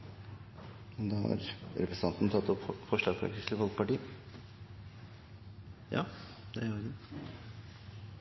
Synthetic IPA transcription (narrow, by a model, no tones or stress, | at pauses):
nd̪ɑhɑ̰ɾɾɛpɾəsɑnt̪nt̪ʰɑt̪ːɔpfɔʂɭɑːɡpʰɾɑ̰kt̪ɪsəfɔlˠkpɑʈiː | jɑ̰ː | d̪ɛɡə